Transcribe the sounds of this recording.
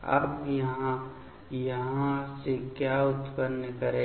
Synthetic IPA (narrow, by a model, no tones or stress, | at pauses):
ə̰bjəɦã | jəɦãsekjaʊt̪pənːkəɾe